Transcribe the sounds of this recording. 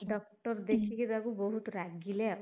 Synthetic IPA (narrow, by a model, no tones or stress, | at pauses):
ɖɔk̚ʈɔɾd̪ekʰikidakubɔɦut̪ɔɾaɡilea